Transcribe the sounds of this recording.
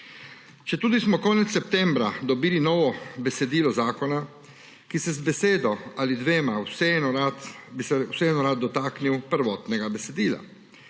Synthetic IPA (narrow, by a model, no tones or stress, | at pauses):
t͡ʃɛt̪uːd̪ismɔkɔːnɛt̪sːɛp̚t̪ɛmbɾad̪ɔbiːlinɔːʋɔbɛsɛd̪iːlɔzaːkɔna | kisɛzbɛseːd̪ɔalid̪ʋeːmawsɛɛnɔɾat̪bisɛwsɛɛnɔɾad̪̚d̪ɔt̪aːkniwpəɾʋɔːt̪nɛɡabɛsɛd̪iːla̰